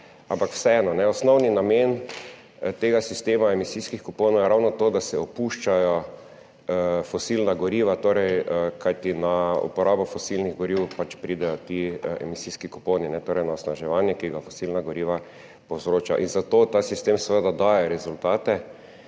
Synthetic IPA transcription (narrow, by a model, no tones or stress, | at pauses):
ãmpakw̥sɛɛːnɔnɛɔsnɔwninamen | t̪eːɡasist̪eːmaemisiskixkuponɔwjɛɾawnɔt̪oːd̪asɛɔpuʃt͡ʃajɔ | fɔsilnaɡɔɾiːʋat̪oːɾɛjəkajt̪inaṵpɔɾaːbɔfɔsilniɣɡɔɾiwpat͡ʃpɾiːd̪ɛjɔt̪iɛ̰misiskikuponinɛt̪oːɾɛjnaɔsnaʒɛʋanjɛkiɡafɔsilnaɡɔɾiːʋa | powzɾoːt͡ʃa̰ʔinzat̪oːt̪asist̪emsɛʋəd̪ad̪ajɛɾɛzʊlt̪aːt̪ɛ